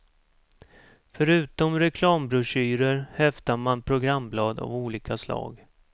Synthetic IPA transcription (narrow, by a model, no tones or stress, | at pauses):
fœɾʉ̟ːt̪ɔmɾɛkʰlɑːmbɾɵʂyːɾəɾhɛvd̪amanpʰɾʊɡɾamblɑːd̪a̰vuːliːkʰaslɑ̰ːɡ